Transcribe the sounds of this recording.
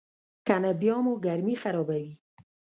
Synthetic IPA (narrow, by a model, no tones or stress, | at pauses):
kanabjɑmoɡaɾmixaɾɑbawi